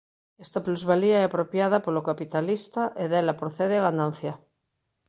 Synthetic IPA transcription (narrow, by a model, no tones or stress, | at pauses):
est̪apluzβaliaɛapɾopjaðapolokapit̪alist̪aʔeðelapɾoθeðeaɣanãnθja